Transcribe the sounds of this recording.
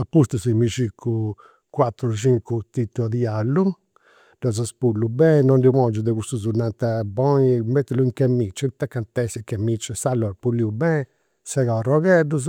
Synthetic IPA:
apːust̪usimiʃikʰːu | kwat̪ːɾuʃiŋkut̪it̪ːuad̪ialːu | ɖɔz̬aspulːubɛnɔnɖimɔnd͡ʒud̪ɛkust̪uzunant̪abɔimet̪ːiluiŋkɛmit͡ʃːɛt̪ːakːant̪ɛsikɛmit͡ʃːɛsalːɔɾpulːiubɛ̃ | sɛɣaurɔɣɛduz̬

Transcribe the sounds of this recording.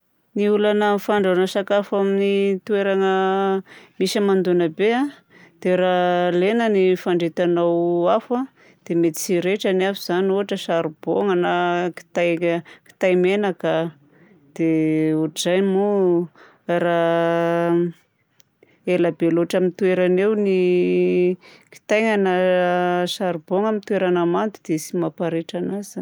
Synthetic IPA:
niulanəfaɳɖ͡ʐanəsakafaminit̪ueɾaŋə | misəmand̪unəbea | d̪̥eɾalenənifaɳɖ͡ʐet̪anawafa | d̪̥emet̪i̥siɾeʈ͡ʂaniafuz̥anoɦaʈ͡ʂəsaɾub̥oŋanaki̥t̪ajki̥t̪ajmenakə | d̪̥euʈ͡ʂzajmu | ɾa | elabeloʈ͡ʂamint̪weɾanewni | ki̥t̪ajŋanə | ʃaɾuboŋamint̪uweɾanamant̪ud̪̥esimapaɾeʈ͡ʂanaz̥an

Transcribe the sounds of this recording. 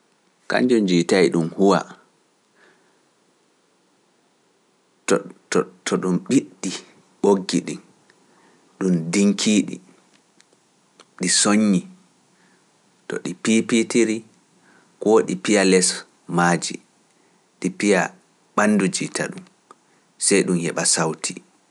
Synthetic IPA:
ka̰ɲd͡ʒɔnd͡ʒiːtajɗumhuwa̰ | ttɔtʰɔɗumɓiɗːi | ɓoɡːiɗḭn | ɗumdiŋkʰiːɗḭ | ɗisoɲːi | tɔ̰ɗipipitiɾi | koːɗipijalɛs | maːd͡ʒḭ | ɗipija | ɓanːdud͡ʒitʰa̰ɗum | sɛjɗumhɛɓasawtʰi

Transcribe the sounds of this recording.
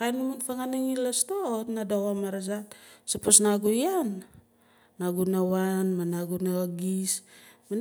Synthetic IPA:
kajnmanfaŋaniŋilastotnadawamaɾas̬atsaposnaɡujanː | aɡunawanmanaɡunaaɡisman

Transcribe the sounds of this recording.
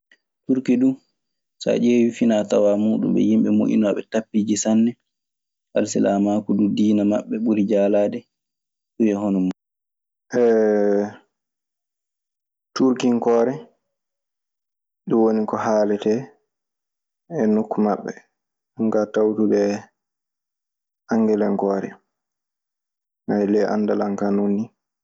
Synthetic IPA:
tuɾkidu | sa̰d͡ʒeːwifinatawamuːɗṵmɓɛ̰jimɓɛmo̰ʔḭnaɓɛtapːiːd͡ʒisanːɛ | ʔalsɛlʔamaːkududiːnamaɓːɛɓuɾid͡ʒaːlaːdɛ | ɗujɛɦɔnɔmːa | ʔɛ | tuɾkiŋkɔːɾɛ | ɗuwonikɔhaːlɛtɛ | ɛnukːumaɓːɛ | aŋkatawtubɛ | ʔaŋɡɛlɛŋkɔːɾɛ̰ | najlɛʔa̰ndalaŋkanunːi

